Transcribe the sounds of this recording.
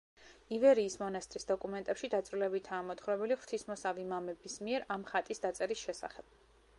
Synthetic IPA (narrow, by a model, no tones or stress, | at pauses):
ivɛɾiːsmɔnast̪ʼɾisd̪ɔkʼumɛnt̪ʼɛpʃid̪at̪sʼɾulɛbit̪ʰaːmɔt̪χwɾɛbɛliχw̥ɾt̪ʰismɔsavimamɛbismiɛɾamχat̪ʼisd̪at̪sʼɛɾisʃɛsa̰χɛb̥